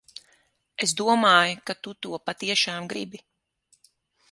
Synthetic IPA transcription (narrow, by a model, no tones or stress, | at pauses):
esd̪uɔmaːjukat̪ut̪uɔpat̪iɛʃaːmɡɾḭbi